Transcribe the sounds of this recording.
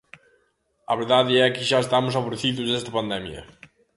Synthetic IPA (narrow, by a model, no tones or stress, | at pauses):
ɐ̰βeɾðaðɪɛkɪʒaest̪amʊs̬aβoɾeθiðʊzðɛst̪ɐpand̪ɛmjɐ̰